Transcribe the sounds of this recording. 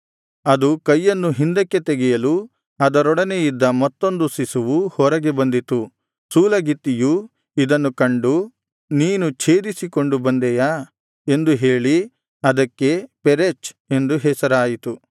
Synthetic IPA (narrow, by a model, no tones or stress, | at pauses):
ɐd̪ukɐjːɐnːuɦind̪ɐkːe̞t̪eɡɛjɐlu | ɐd̪ɐɾɔɽɐne̞jid̪ːɐmɐt̪ːo̞nd̪usisuʋuhɔɾɐɡe̞bɐnd̪it̪u | suːlɐɡit̪ːiju | id̪ɐnːukɐɳɖu | niːnut͡ʃʰe̞ːd̪isiko̞ɳɖubɐnd̪ɛja | e̞nd̪uɦe̞ːɭi | ɐd̪ɐkːe̞peɾet͡ʃ | e̞nd̪uɦɛːsɐɾaːjit̪u